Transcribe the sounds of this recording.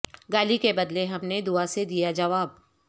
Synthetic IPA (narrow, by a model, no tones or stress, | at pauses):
ɡaːlikebɐd̪leɦɐmned̪ʊased̪ijad͡ʒɐʋaːb